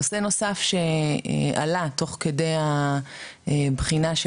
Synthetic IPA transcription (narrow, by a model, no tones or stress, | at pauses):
ose̞no̞safʃe̞̰ʔa̰lat̪o̞χke̞de̞ja | bχinaʃ